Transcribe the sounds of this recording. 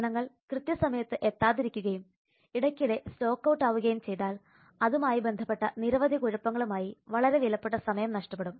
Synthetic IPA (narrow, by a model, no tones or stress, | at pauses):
ɳɐŋːɐɭkrɨt̪jɐsɐmɐjɐt̪ːɨʔe̞t̪ːaːðiɾikʲːuɣɐjum | iɽɐkʲːuɽe̞slo̞ːkːɐwʈːaːʋuɣɐjumt͡ɕe̞jt̪aːl | ɐðumaːjibe̞nd̪ʱɐpːe̞ʈːɐniɾɐʋɐd̪ʱikoɻupːɐŋːɐɭumaːjiʋɐɭɐɾe̞ʋilɐpːeʈːɐsɐmɐjɐmnɐʂʈɐpːe̞ɽum